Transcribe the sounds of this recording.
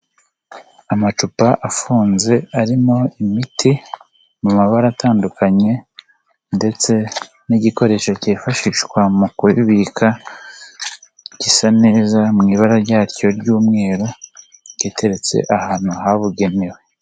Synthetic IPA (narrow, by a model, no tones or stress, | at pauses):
amat͡ʃupaʔafuːnze̞aɾimo̞imitʰi | mumaβaɾataːndukaɲe̞ | nde̞t͡se̞ | niɟiko̞ɾe̞ːʃaceːfaʃiʃwamukuiβikʰa | ɟisane̞ːzamŋiːβaɾaɾɟaːɾco̞ɾɟuːmŋe̞ːɾo | ɟeːtʰe̞ɾe̞t͡se̞̰ʔahaːn̥huhaβuɡe̞ne̞we